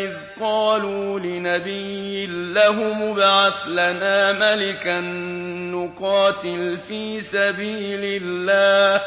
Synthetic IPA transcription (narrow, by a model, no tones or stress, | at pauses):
ɪð | qɑːluːlɪnabɪjɪlːaɦʊmʊbʕaθlanaːmalɪkaː | ʊqɑːt̪ɪlfiːsabiːlɪlːaːh